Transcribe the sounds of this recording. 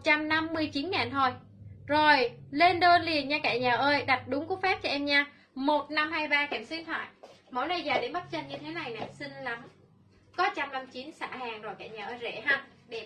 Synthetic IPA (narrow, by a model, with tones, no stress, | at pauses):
t̚t͡ɕa˧mna˧mːɨ˧əjt͡ɕi˨˦nŋaː˨˩nt̪ʰo˧˩j | zo˨˩jle˧nɗo˧nli˨˩ənɲaː˧ka̰ː˧˩jɲaː˨˩ʔəː˧jɗa˨˩t̚ɗʊ˨˦ŋ͡mku˦k̚faː˦˥p̚t͡ɕɔ˧ʔɛ˧mɲaː˧ | mo˨˩t̚na˧mhaː˧jɓaː˧kɛ˧˩msi˧˦nt̪ʰwa̰ː˧˨jmo̰˧˦jna˧jzaː˨˩ɗe˨˦nɓə˦˥t̚t͡ɕə˧nɲɨ˧t̪ʰe˨˦na˨˩jna̰ː˨˩sï˧ŋ̟la˨˦m | kɔ˨˦t͡ɕa˧mna˧m˧t͡ɕi˨˦nsa̰ː˧˩˨haː˨˩ŋzo˨˩jka̰ː˧˩jɲaː˨˩ʔəː˧jzḛ˧˩ɦa˧˩ | ɗe˧˩